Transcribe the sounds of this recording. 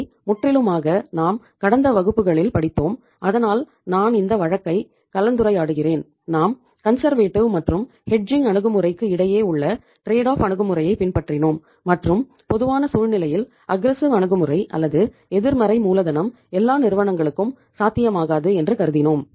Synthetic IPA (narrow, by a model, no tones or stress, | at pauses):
mʊʈrɪlɯmaːɣɐnaːm | kɐɽɐnd̪ɐʋɐɣɯpːɯɣɐɭɪlpɐɽɪt̪ːoːm | ʔɐðɐnaːl | naːnɪnd̪ɐʋɐɻɐkːɐɪ | kɐlɐnd̪ɯɾɐɪaːɽɯɣɪreːn | naːm | kɐnsɐɾʋeːʈːɪʋmɐʈrɯm | hɛɖ̚d͡ʒɪŋɡɐɳɯɣɯmɯrɐɪkːɯɪɽɐjeːʊɭːɐ | ʈɾeːɽaːfɐɳɯɣɯmɯrɐjɐɪpɪnpɐʈrɪnoːmː | ɐʈrɯm | pɔðɯʋaːnɐsuːɻnɪlɐjɪl | ɐɡɾɛsɪʋɐɳɯɣɯmɯrɐɪʔɐ̰lːɐðɯ | ɛðɪɾmɐɾɐɪmuːlɐðɐnɐm | ɛlːaːnɪɾɯʋɐnɐŋɡɐɭɯkːɯm | saːt̪ːɪjɐmaːɣaːðɯɛndrɯkɐɾɯðɪnoːm